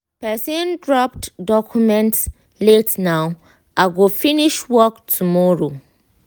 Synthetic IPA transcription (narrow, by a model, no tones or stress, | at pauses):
pɛsĩndɹɔptdɔkʰjumɛ̃nts | letnaʊ | ʔaɡofiniʃwɔktʰumɔɹo